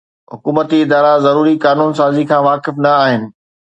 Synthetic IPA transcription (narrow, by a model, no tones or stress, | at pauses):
ɦʊkuːmət̪iɪd̪aːɾazɐɾuːɾikaːnuːnsaːzikʰãːʋaːkɪfnɐaːɦɪnɪ̆